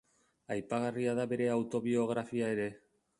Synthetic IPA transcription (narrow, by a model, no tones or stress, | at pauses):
ajpaɣariaðabe̞ɾe̞awt̪o̞βio̞ɣɾafiae̞ɾe̞